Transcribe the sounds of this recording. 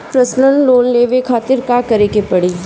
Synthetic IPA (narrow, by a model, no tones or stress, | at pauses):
pɾəsnənloːnleːʋekʰaːt̪ɪɾkakɐɾeːkepɐɽiː